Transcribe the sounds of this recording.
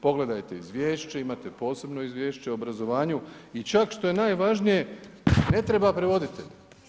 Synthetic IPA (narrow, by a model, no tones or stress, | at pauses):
po̞ɡle̞d̪ajt̪e̞izʋjeːʃt͡ʃeimat̪e̞po̞ːse̞bno̞izʋʲje̞ːʃt͡ʃeobɾazo̞ʋaːɲuit͡ʃakʃt̪o̞je̞naːjʋaʒnije̞ne̞t̪ɾebapɾeʋo̞d̪it̪eʎ